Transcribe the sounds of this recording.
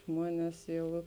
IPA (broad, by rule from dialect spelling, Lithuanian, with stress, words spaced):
ˈʒmuɔnʲɛs ˈjɛʊ